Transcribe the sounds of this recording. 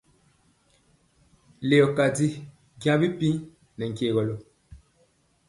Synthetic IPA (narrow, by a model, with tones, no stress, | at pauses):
le˨ɔ˨ka˨di˦ | ɡj̃ã˦bi˦pi˦ | nɛ˨ŋ̩˨keː˨ɣɔ˨lo˨